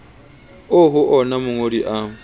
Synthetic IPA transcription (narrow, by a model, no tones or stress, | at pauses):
oɦʊʔɔnamʊŋodiʔa